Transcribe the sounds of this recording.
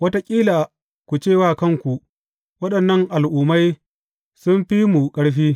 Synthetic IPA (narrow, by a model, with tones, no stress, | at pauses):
wɐ˦ta˦kʲʼiː˦laː˨ | kʷu˨t͡ʃeː˦˨waː˦˨kɐ˦ŋkʷu˨ʔ | wɐ˦ɗɐ˨nːɐ˦ŋʔa˨lʔʊː˨ma˦j | sʊ˦mɸi˦mu˨kʼɐ˦ɽɸiː˦